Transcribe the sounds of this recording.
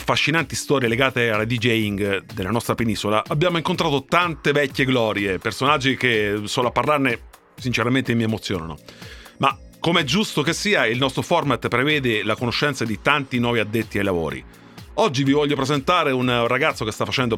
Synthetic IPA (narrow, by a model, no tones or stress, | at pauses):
fːaʃːinant̪ist̪ɔːɾjeleɡaːt̪ealad̪id͡ʒɛiŋɡd̪elːanɔst̪ɾapenisola̰ʔabːjaːmoiŋkont̪ɾaːt̪ot̪ant̪evɛkʲːeɡlɔːɾjepersonad͡ʒːikesoːloapːarlarne | sint͡ʃeɾament̪emiemot̪sːjoːnano̰makːomeɛd͡ʒːust̪okesːiːailnɔst̪ɾofɔrmat̪ːpɾevɛːd̪elakonoʃːɛnt̪sad̪it̪ant̪inwɔːviad̪ːet̪ːiajlavo̰ːɾḭ | ɔd͡ʒːivivɔʎːopɾezent̪aːɾeunraɡat̪sːokest̪afːat͡ʃɛnd̪o